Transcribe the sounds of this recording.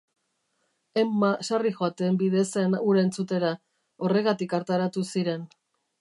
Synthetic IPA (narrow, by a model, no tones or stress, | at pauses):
emːasarixoat̪embiðe̞senuɾent͡sut̪e̞ɾa | o̞re̞ɣat̪ikaɾt̪aɾat̪usiɾe̞n